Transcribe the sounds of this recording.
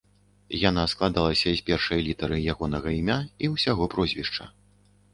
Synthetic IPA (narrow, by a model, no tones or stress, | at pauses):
janasklˠad̪alˠɐsʲɐzʲpʲɛrʂɐjlʲit̪ɐɾɨjaɣɔnɐɣɐimʲaiwsʲaɣɔpɾɔzʲvʲiʂt͡ʂɐ̰